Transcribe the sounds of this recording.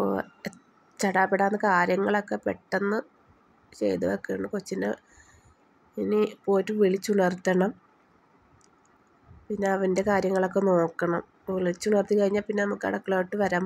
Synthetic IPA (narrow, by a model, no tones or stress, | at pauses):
o̰ | t͡ɕɐɽaːpːeɽaːnːɨkaːɾjɐŋːɐɭokːe̞peʈːenːɨ | t͡ɕe̞̰jt̪ɨʋɐkːeːɳːɨkot͡ɕːinɨ̰ | inipo̞ːtːɨʋeɭit͡ɕːuɳɐrt̪ːɐɳɐm | pinːe̞ɐʋɐnde̞kaːɾjɐŋːɐɭo̞k̬ːe̞no̞ːkːɐɳɐm | eɭit͡ɕːunɐrt̪ːikɐɻiɲːaːlpinːe̞nɐmukːɨɐ̰ɽɐkːɐɭɐʋeʈːɨʋɐɾaːm